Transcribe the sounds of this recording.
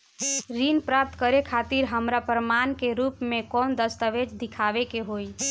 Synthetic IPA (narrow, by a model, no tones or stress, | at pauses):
ɾinpɾap̚t̪kəɾekʰat̪iɾɦəmɾapɾəmankeɾupmekɔnd̪əst̪əʋed͡ʒd̪ikʰaʋekeɦoj